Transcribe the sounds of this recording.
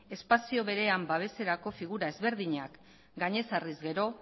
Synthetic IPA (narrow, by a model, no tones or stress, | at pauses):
e̞spasio̞βe̞ɾe̞ambaβ̞e̞se̞ɾako̞fiɣuɾae̞zβe̞ɾðiɲak | ɡaɲe̞sarizɡe̞ɾo̞